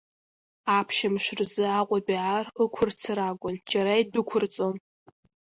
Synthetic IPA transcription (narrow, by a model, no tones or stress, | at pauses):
aːpʰʃɐmʃrzɨaːqʷʼɔbiʕarɨkʷʰʊrt͡sʰɨɾaːɡʷʊnt͡ʃʰʼɐɾɐjdʊkʷʰʊrt͡sʼom